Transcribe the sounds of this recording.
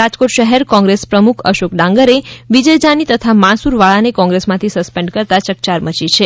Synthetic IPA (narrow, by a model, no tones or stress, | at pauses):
ad͡ʒkoʈʃəɦɛɾkɔ̃ŋɡɾespɾəmukʰə̰ʃokɖãŋɡəɾeʋid͡ʒəjd͡ʒanit̪ət̪ʰamãsuɾʋaɭanekɔ̃ŋɡɾesmãt̪ʰisəspẽɳɖkəɾt̪at͡ʃək̚t͡ʃaɾmət͡ʃit͡ʃʰe